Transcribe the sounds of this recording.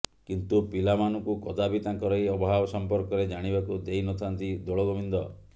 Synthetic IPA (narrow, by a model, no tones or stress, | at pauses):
kint̪upilamanɔŋkukɔd̪abit̪ãŋkɔɾɔjɔbɔɦabɔsɔmpɔɾkɔɾed͡ʒaɽ̃ibakud̪ejnɔt̪ʰant̪id̪oɭɔɡɔmind̪ɔ